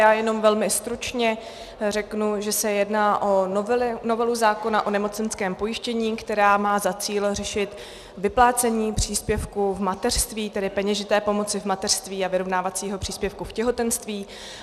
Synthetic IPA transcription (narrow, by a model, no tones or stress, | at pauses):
jaːjɛno̞mvɛlmɪst̪ɾut͡ʃɲɛ | rɛknuʒɛsɛjɛdnaːʔo̞noɪno̞vɛluzaːko̞naʔo̞nɛmo̞t͡sɛnskɛːmpo̞jɪʃcɛɲiːkt̪ɛɾaːmaːzat͡siːlrɛʃɪt̪ | vɪplaːt͡sɛɲiːpr̝̥iːspjɛfkuvmat̪ɛr̥st̪viːt̪ɛdɪpɛɲɛʒɪt̪ɛːpo̞mo̞t͡sɪvmat̪ɛr̥st̪viːavɪɾo̞vnaːvat͡siːɦo̞pr̝̥iːspjɛfkufcɛɦo̞t̪ɛnst̪viː